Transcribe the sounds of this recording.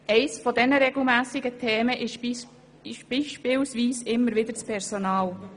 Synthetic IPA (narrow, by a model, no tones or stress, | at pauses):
ɛɪsfɔdɛnəɾɛɡl̩mæːsɪɡətʰɛːməʔɪʃ | ɪʃb̥iːʃpɪlsʋiːsɪmːəɾʋɪd̪əɾt͡spʰɛɾsonɑːl